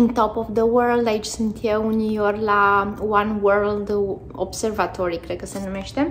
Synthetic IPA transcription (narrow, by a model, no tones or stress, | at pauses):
ɨnt̪opofd̪əwəɾld̪ait͡ʃʲsɨnt̪jewunijorlawanwəɾld̪ | observat̪ʰoɾikɾed̪̚kəsenumeʃt̪e